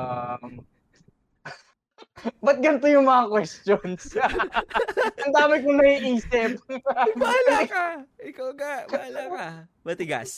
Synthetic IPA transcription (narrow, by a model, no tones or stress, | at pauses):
am | bɐt̪̚ɡɐnt̪ojʊŋmɐŋakwɛst̪jons | ɐnd̪aːmɪkoŋnɐhiːʔiːsɪp̚balkaɪkawɡaalakɐ | bɐt̪ɪɡa̰s